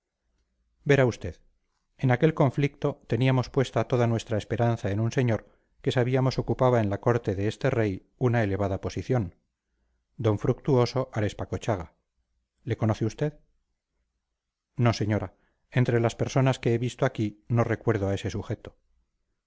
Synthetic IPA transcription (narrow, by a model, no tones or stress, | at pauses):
be̞ɾaust̪e̞ð | enake̞lko̞ɱflik̚t̪o̞t̪e̞niamo̞spwe̞st̪at̪o̞ðanwe̞st̪ɾaespe̞ɾanθaenunse̞ɲo̞ɾ | ke̞saβiamo̞so̞kupaβae̞nlako̞ɾt̪e̞ðe̞est̪e̞re̞j | unae̞le̞βaðapo̞siθjo̞n | d̪o̞ɱfɾuk̚t̪uo̞so̞ʔaɾe̞spakot͡ʃaɣ̞a | le̞ko̞noθeust̪e̞ð | no̞se̞ɲo̞ɾa | e̞nt̪ɾe̞laspe̞ɾso̞naske̞eβist̪oakino̞re̞kwe̞ɾð̞oae̞se̞suχe̞t̪o̞